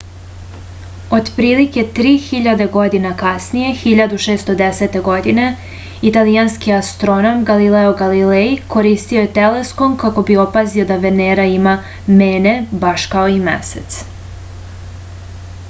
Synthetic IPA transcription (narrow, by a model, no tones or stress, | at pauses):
o̞d̪pɾiːlike̞t̪ɾiːxiʎad̪e̞ɡo̞d̪inakasnije̞xiʎad̪uʃeːst̪o̞d̪ese̞t̪e̞ɡo̞d̪ine̞ | it̪alijanskiast̪ɾo̞no̞mɡalileoɡalileiko̞ɾist̪io̞jet̪ele̞sko̞mkako̞bio̞pazio̞d̪aʋeneːɾaima | meːne̞baʃkao̞imḛset̪s